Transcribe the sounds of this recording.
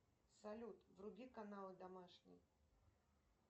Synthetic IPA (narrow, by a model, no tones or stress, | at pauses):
salʲut̪vɾuɡʲikanalˠɨd̪amaʂnʲḭj